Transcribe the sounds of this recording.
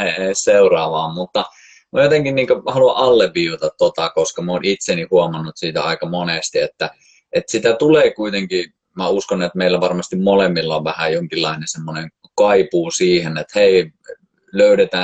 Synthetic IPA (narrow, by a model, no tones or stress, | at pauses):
eeˑisseurɑːʋɑːmmut̪ːɑ | mojot̪eŋkinniːŋkøhɑluɑʔʔɑlːeʋʋiːʋut̪ɑt̪t̪ot̪ɑkoskɑmoːnit̪senihuomɑnːut̪siːt̪æ̰ɑˑikɑmonest̪iet̪ːæ | et̪sit̪æt̪uleːkuit̪eŋki | mæuskonet̪meˑilːæʋɑrmɑst̪immolemːilːɑoʋʋæhæjoŋkilːɑˑinensemːoneŋ | kɑipuːsiːhenet̪heˑi | løˑyɾet̪æː